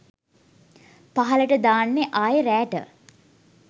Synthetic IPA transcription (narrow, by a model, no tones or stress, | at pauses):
paɦɐləʈəd̪aːnːeʔaːjəɾæːʈə̰